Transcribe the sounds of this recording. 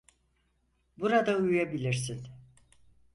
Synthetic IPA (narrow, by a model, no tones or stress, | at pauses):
buɾad̪aujujabilʲiɾsin